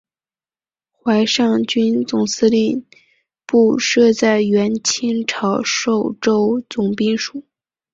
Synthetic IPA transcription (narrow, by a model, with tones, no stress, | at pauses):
xwa˧˥ɪʂɑ˥˩ŋt͡ɕy˥nt͡sʊ˨˩ŋsɹ̩˥li˥˧˩n | pu˥˧ʂɤ˥˧t͡sa˥˩ɪɥɛ˧˥nt͡ɕʰi˥ŋʈ͡ʂʰɑ˧˥ʊʂo˥˩ʊʈ͡ʂo˥ʊt͡sʊ˨˩ŋpi˥˩ŋʂu˨˩˦